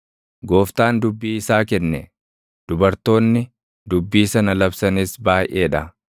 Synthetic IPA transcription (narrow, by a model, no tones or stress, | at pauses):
ɡo̞ːft̪aːnd̪ʊbːiːɪsaːkɛnːɛ | d̪̥ʊbɐɾt̪o̞ːnːɪ | d̪ʊbːiːsɐnɐlɐbsɐnɪsbaːjʔeːᶑɐ